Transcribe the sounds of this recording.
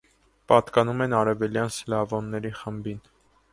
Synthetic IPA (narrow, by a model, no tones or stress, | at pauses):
pɑt̪kɑnumɛnɑɾɛvɛljɑnslɑvɔnːɛɾiχəmbin